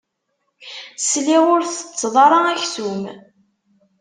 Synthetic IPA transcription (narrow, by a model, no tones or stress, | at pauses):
sliʁʊɾθə̥t͡sːðˤɑɾˤɑæçθum